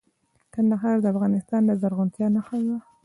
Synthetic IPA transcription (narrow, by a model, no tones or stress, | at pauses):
k̪anːaxaɾd̪əafɣɑnɪst̪ɑnd̪azaɾɣʊnt̪jɑnaxawwa